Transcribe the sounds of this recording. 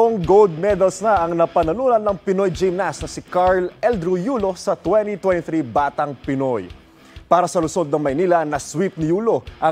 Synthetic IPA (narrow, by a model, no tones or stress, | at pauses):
oŋɡold̪̚mɛd̪ɐlsnɐʔɐŋnɐpɐnɐnuːnɐnːɐŋpɪnojd͡ʒɛmnasnɐsɪkaɹlɛld̪ɾʊjuːlo̞sɐt̪wɛnt̪it̪wɛnt̪ɪθɾibaːt̪ɐŋpɪno̞j | paːɾɐsɐlʊso̞d̪̚nɐŋmɐjniːlɐnɐswip̚nɪjuːlo̞ʔɐ